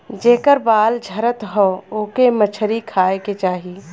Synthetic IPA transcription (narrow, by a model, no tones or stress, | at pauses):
d͡ʒeːkəɾbaːld͡ʒʱəɾət̪ɦɔoːkemət͡ʃʰəɾikʰaːeket͡ʃaːɦiː